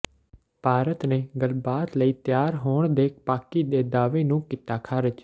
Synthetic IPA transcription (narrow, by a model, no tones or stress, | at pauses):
paːɾət̪neːɡəlbaːt̪ləiːt̪jaːɾɦoːɳd̪eːk̚paːkiːd̪eːd̪aːʋeːnũːkiːt̪aːkʰaːɾɪd͡ʒ